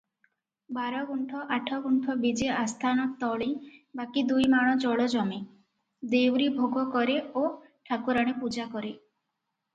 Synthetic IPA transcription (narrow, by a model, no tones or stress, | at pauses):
baɾɔɡuɳʈʰɔʔaʈʰɔɡuɳʈʰɔbid͡ʒeast̪ʰanɔkt̪ɔɭibakid̪ujmaɽ̃ɔd͡ʒɔɭɔd͡ʒɔme | d̪ewɾibʱoɡʱɔkɔɾeo | ʈʰakuɾaɽ̃epud͡ʒakɔɾe